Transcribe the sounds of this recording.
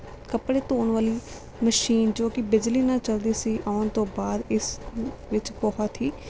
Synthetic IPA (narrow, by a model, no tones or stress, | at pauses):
kəpɽeːt̪oːnʋaːliː | məʃiːnd͡ʒoːkɪbɪd͡ʒliːnãːt͡ʃəld̪iːsiːʔaːʊnt̪õːbaːd̪ɪsʋɪt͡ʃpɔːɦaːt̪ʰiː